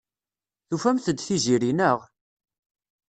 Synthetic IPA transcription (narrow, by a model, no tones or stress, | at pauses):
θufæmθəd̪θiʒiɾinəʁ